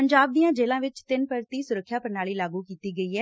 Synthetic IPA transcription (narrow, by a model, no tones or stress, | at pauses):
əɲd͡ʒaːb̚d̪ijãːd͡ʒeːlãːʋɪt͡ʃt̪ɪnpəɾt̪iːsʊɾəkʰːjaːpəɾnaːɭiːlaːɡuːkiːt̪iːɡəiːɛː